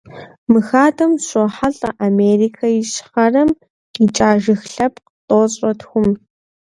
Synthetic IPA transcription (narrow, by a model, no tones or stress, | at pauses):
mɨxaːdʰɐmɕʼɔħaɬʼɐ̰ʔameːriːkʰɐjɪɕχɐrɐm | it͡ʃʼaːʒɨxɬɐpqtʼoːɕʼɔtxʷʊm